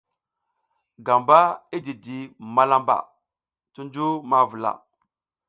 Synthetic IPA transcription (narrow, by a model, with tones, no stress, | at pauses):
ɡa˨mba˦i˦di˨di˨ma˦la˦mba̰˨ | tu˦n˦d͡ʒu˦ma˦vu˨la̰˨